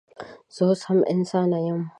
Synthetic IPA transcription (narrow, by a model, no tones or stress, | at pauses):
z̥oːsɐmʔɪ̰nsaːnajɐm